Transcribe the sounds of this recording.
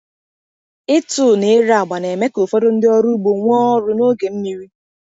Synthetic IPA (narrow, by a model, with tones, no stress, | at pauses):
ɪ˦tʊ˨ne˨˦ɾa˨ɡ͡ba˨ne˨me˦ko˨fo˦ɾo˦n̩˦dɪ˦ɔ˦ɾu˦ɡ͡bo˨ŋʷ˦ɔ˦ɾʊ˦no˦ɡe˨m̩˦mi˨ɾi˦